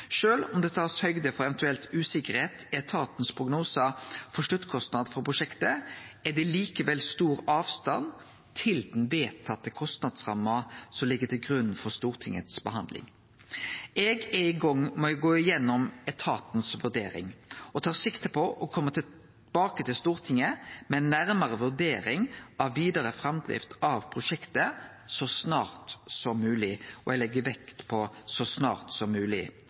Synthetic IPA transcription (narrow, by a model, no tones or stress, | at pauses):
ʃøːlɔmd̪ɛt̪ʰɑːshœʏɡd̪əfɔɾɛʋɛnt̪ʉɛlt̪ʉːsɪkəɾheːt̪ɛt̪ʰɑːt̪n̩spʰɾʊɡnuːsəfɔʂʈʉt̪ːkʰɔst̪nɑd̪fɔɾpʰɾʊʂɛkt̪əæd̪ɛliːkəʋɛlst̪uːɾɑːʋst̪ɑn | t̪ʰɪld̪ɛnʋeːt̪ʰɑt̪ːəkʰɔst̪nɑd̪sʁɑ̰mːəsɔmlɪɡːət̪ɪlɡɾʉnn̩fɔɾst̪uːʁt̪ʰɪŋːə̰t̪sbəhɑnd̪lɪ̰ŋ | ɛɡɛɪɡɔŋːmɔɛɡoːɪjɛnːɔmɛt̪ʰɑːt̪n̩sʋʉɾd̪eːɾɪ̰ŋɔt̪ʰɑːʁsɪkt̪əpʰɔʔɔkʰɔmːət̪ʰɪ | b̥ɑːkət̪ʰɪlst̪uːʁt̪ʰɪŋːəmɛɛnːæɾməɾəʋʉd̪eːɾɪŋɑʋːiːd̪əɾəfɾɑmd̪ʁɪ̰ft̪ɑʋpʰɾʊʃɛkt̪ə | sɔsnɑːɾt̪sɔmːʉːlɪʔɔɛlɛɡːəʋɛkt̪pʰɔsɔsnɑ̰ːʁt̪sɔmːʉːlɪ